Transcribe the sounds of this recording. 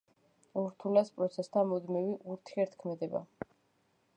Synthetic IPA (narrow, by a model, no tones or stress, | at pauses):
uɾt̪ʰulaspʼɾɔt̪sʰɛst̪ʰamɔd̪miviʔuɾt̪ʰiɛɾt̪ʰkʰmɛd̪ɛba̰